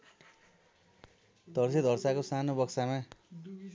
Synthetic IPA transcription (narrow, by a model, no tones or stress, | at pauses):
d̪ʌrsed̪ʱʌrsakosanobʌksama